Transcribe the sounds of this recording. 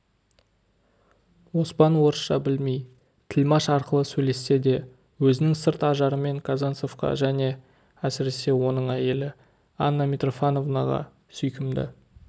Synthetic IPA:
wo̞spɑnwo̞ɾəsʃɑbɪlme̞j | t̪ʰɪlmɑʃɑɾqəlˠəsɵjle̞sːe̞d̪e̞ | wɵzɪnɪŋsɪɾt̪ɑʒɑɾəme̞ŋkʰazanso̞fqɑ̰ʒæne̞ | æsɪɾe̞se̞wo̞n̪əɴæje̞lɪ | ɑnːɑmʲet̪ro̞fano̞vnɑʁɑ̰ | sʏjkʲɪmd̪ɪ̰

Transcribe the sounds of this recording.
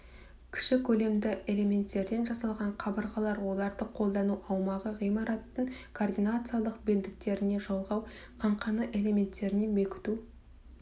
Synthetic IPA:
kʲʰɪ̥ʃɪkʲʰɵle̞md̪ɪe̞le̞mʲe̞nt̪ːe̞ɾd̪e̞nʒɑsɑlˠʁɑɴqʰɑbəɾʁɑlˠɑɾwo̞lˠɑɾd̪əqʰo̞lˠd̪ɑnuʔɑwmɑʁəʁijmɑɾɑt̪ːəɴkʰoːrd̪inat̪sɨjalˠəqbɪld̪ɪk̚t̪e̞ɾɪne̞ʒolˠʁɑw | qʰɑɴqɑnəʔe̞le̞mʲe̞nt̪ːe̞ɾɪne̞mekʲɪ̥t̪u

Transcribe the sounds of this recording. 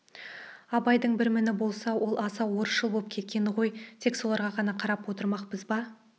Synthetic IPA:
ɑbɑjd̪əɴbɪɾmɪnɪbo̞lˠsɑwʔo̞lˠɑsɑwo̞ɾəsʒəlˠbolˠəp̚kʲʰe̞t̪kʲe̞nɪʁo̞jt̪ʰe̞kso̞lˠɑɾʁɑʁɑnɑqʰɑɾɑpwo̞t̪əɾmɑqpəzbɑ

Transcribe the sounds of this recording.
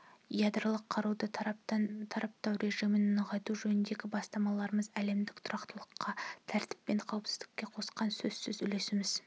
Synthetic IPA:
jad̪rəlˠəqʰːɑɾud̪ə | t̪ʰɑɾʔɑp̚t̪ɑwɾʔe̞ʒijmɪnːəʁɑjt̪uʒɵnɪnd̪e̞ɡʲɪbɑst̪ɑmɑlˠɑɾəməzæle̞md̪ɪkt̪ʰʊɾɑqt̪əlˠəqːɑt̪ʰæɾt̪ɪpːe̞ɴqʰɑwəpsɪzd̪ɪkʲːe̞qʰo̞sqɑnsɵzsʏzʏle̞sɪmɪz̥

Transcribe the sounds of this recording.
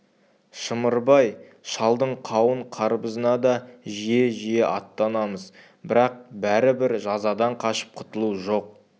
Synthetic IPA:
ʃəməɾbɑj | ʃɑlˠd̪əɴqʰɑwəɴqʰɑɾbəzənɑd̪ɑʒije̞ʒijeʔɑt̪ːɑnɑməz | bɪɾɑq̚bæɾɪbɪɾʒɑzɑd̪ɑɴqʰɑʃə̥p̚qʰʊ̥t̪əlˠuʒo̞q̚

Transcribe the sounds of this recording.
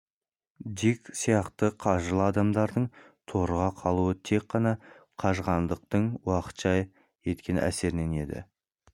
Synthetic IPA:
d̪iksijɑqt̪əqʰɑʒəlˠɑd̪ɑmd̪ɑɾd̪əɴ | t̪ʰo̞ɾʁɑqʰɑlˠuət̪ʰe̞k̚qːɑnɑqʰɑʒʁɑnd̪əq̚t̪əɴwɑqə̥t̪ʒ̥ɑj | e̞t̪kʲe̞næ̰se̞ɾɪne̞ne̞d̪ɪ̰

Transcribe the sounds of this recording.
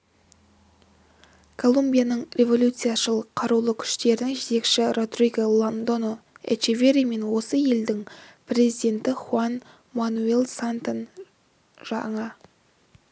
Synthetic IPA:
kʰo̞lˠumbʲijanəɴɾe̞vo̞lʲut̪sɨjaʃəlˠqʰɑɾuwlˠəkʲʰʏ̥ʃt̪e̞ɾɪnɪŋʒet̪e̞kʃɪro̞t̪rijɡəlˠond̪o̞noḛt͡ʃivʲe̞ɾime̞nwo̞səje̞ld̪ɪŋpre̞zijd̪e̞nt̪ɪχuan | manue̞lˠsant̪on | ʒ̥ɑɴə

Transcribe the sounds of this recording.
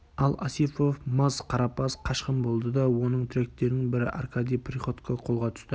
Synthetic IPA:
ɑlˠɑsifo̞fmɑzqʰɑɾɑpɑsqʰɑʃqəmbo̞lˠd̪əd̪ɑwo̞nəɴt̪ʰʏɾek̚t̪ːe̞ɾnɪŋbɪɾɪ̰ʔɑ̰rkad̪ijpriχo̞t̪kʰaqʰo̞lˠʁɑt̪ʰʏ̥st̪ɪ

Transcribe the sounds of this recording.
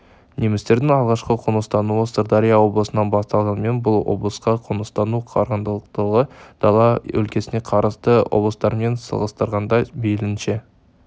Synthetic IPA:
ne̞mɪst̪e̞ɾd̪ɪŋɑlˠʁɑʃqəqʰʊnəst̪ɑnuəst̪oɾd̪ɑɾijawo̞blˠəsənɑnbɑst̪ɑlˠʁɑnəme̞nbʊlˠwo̞̰blˠəsqɑqʰʊnəst̪ɑnuqʰɑ̰ɾʁənd̪əlˠəq̚t̪əʁəd̪̥ɑlˠɑɵ̰lkʲe̞sɪne̞qʰɑɾəzt̪əwo̰blˠəst̪ɑɾme̞nsə̰lˠʁəst̪əɾʁɑnd̪ɑjbelɪnʃe

